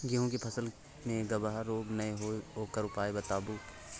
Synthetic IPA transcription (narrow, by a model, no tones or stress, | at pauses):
ɡɪɦõk̬epʰɐsəl | mẽɡɐbaɦaɾoːbnɐeɦoɦoːkəɾʊpaːebɐt̪aːbuː